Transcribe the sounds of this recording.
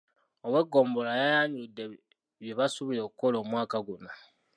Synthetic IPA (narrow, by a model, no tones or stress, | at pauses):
oβwe̞ɡːo̞ːmbolajajaɲudːe | βjeβasuβiɾo̞ːkuko̞loːmwaːkaɡuno